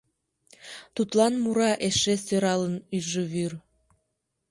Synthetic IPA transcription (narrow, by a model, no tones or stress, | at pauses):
t̪ut̪lɑnmuɾɑʔeʃesøɾɑlənyʒəβyr